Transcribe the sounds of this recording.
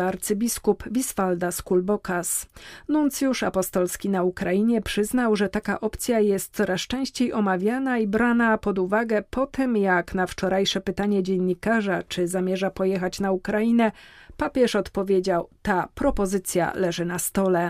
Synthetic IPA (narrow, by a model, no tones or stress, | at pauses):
aɾt̪sɘbʲiskupvʲisfald̪askulbɔkasnunt̪sjuʂa̰pɔst̪ɔlskʲinaukɾajiɲɛpʂɘznawʐɛt̪aka̰ʔɔpt̪sʲjajɛst̪̚sɔɾast͡ʂɛ̃w̃ɕt͡ɕejʔɔmavʲjanaibɾanapɔd̪uvaɡɛpʰɔt̪ɘmjaknaft͡ʂɔɾʔajʂɛpɘt̪aɲɛd͡ʑɛɲːikaʐat͡ʂɘzamʲjɛʐapɔjɛxat͡ɕnaukɾajinɛpapʲjɛʂɔt̪pɔvʲjed͡ʑawt̪apɾɔpɔzɘt̪sʲja̰lɛʐɘnast̪ɔlɛ